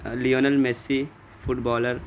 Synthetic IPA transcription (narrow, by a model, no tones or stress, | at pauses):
lijoːnɐlmesi | fʊʈbɔːləɾ